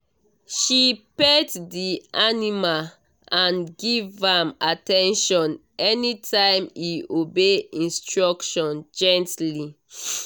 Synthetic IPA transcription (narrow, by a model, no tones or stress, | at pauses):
ʃipeddianima | ãnɡivãmatɛ̃nʃɔ̃n | ɛnitʰãɪ̃miobeĩnstɹɔkʃɔ̃nd͡ʒɛ̃ntli